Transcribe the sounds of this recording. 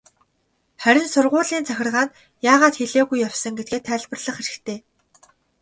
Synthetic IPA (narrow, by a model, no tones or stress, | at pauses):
χæɾʲɪ̆nsʊrʁʊːɮiːnt͡sʰæxʲɪ̆rʁaːn | jaːʁaːt̪xeɮeːɣujːawsə̆ŋɡet̪ɡeːt̪ʰːæːɮpə̆rɮə̆χxeɾɘ̆xt̪ʰeː